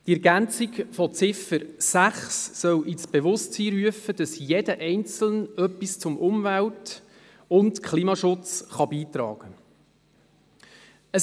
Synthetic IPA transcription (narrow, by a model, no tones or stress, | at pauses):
tiɛɾɡænt͡sikfɔt͡sɪfəɾsæχsːœwʔɪt͡sb̥eʋʊstiːɾyəfəd̥ɑsjedəʔɛɪnt͡sl̩nœpːist͡sʊmʔʊmvælt | ʊntkχliːmɑʃʊt͡sχɑbiːt̪ɾɑ̰ːɡ̥ə | əs